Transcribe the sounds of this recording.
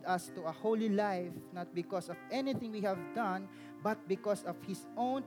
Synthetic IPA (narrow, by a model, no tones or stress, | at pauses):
d̪ɐst̪uɐholilajfnat̪̚bɪkɔsɔvʔɛnɪθɪ̃ŋwihævd̪ʌ̃n | bɐt̪̚bɪkɔsɔv̥hɪsʔõʊ̃n